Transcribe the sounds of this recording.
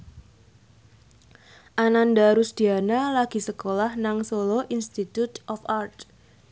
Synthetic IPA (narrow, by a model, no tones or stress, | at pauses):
ʔanandaɾusd̪̥i̤analaɡ̥i̤səkolahnaŋsoloʔinst̪it̪ut̪ɔfart̪